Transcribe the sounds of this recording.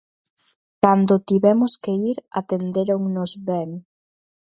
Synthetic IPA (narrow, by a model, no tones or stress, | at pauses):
kand̪ʊt̪iβɛmʊskeiɾa̰t̪end̪eɾoŋnozβɛŋ